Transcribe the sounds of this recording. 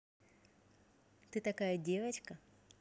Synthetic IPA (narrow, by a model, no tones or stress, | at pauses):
t̪ɨt̪ɐkajɐdʲevɐt͡ɕkɐ